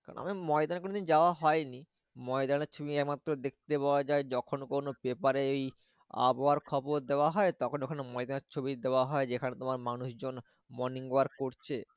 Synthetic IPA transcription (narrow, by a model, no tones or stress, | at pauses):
kaɾo̰na̰mimɔed̪ankonod̪ind͡ʑaoaɦɔeni | mɔed̪aneɾt͡ɕʰobiɛkmat̪ːɾod̪ek̚ʰt̪epaoad͡ʑaed͡ʑɔkʰonkonobepaɾeej | a̰baɾkʰɔboɾd̪eoaɦɔet̪ɔkʰonokʰanemɔed̪aneɾt͡ɕʰobid̪eoaɦɔed͡ʑekʰanet̪omaɾmanuʃd͡ʑon | mɔniŋoaɾkoɾt͡ɕʰe